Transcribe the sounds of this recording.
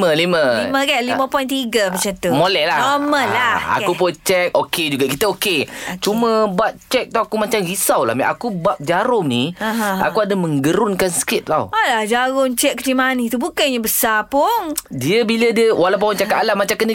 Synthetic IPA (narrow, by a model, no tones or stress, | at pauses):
məliməiməkaliməpɔjnt̪iɡəmat͡ʃant̪umolɛhlanɔməlaa̰kupot͡ʃɛk̚oked͡ʒuɡakit̪əoket͡ʃumə̃baʔ̚t͡ʃɛk̚t̪awakumat͡ʃamhisawla̰hmḭʔa̰kubaʔ̚d͡ʒaɾʊŋnia̰kuadamə̃ŋɡəɾʊnkansə̥kɪt̪̚la̰alahd͡ʒaɾʊŋt͡ʃɛk̚ːət̪imanit̪ubukaɲabəsapʊŋdiəbilədiəwalawp̬aɔnt͡ʃakat̪alamat͡ʃamkənə